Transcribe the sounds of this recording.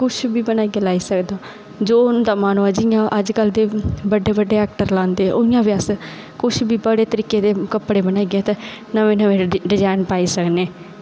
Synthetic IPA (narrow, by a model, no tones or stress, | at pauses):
kʊt͡ʃʰbiːbənaːiɡeːlaːiːsəkd̪aː | d͡ʒoːñːd̪aːmaːnuːad͡ʒɪjãːʔəd͡ʒkəld̪eːbəɖeːbəɖːeːɛːk̚ʈəɾlãːnd̪eːʔoɪjãːʋjas | kʊt͡ʃʰbiːbəɽeːt̪əɾiːkeːd̪eːkəpɽeːbənaːiɡẽːt̪eː | nəʋẽːnəʋẽːɖɪd͡ʒaːɪnpaːiːsəkneː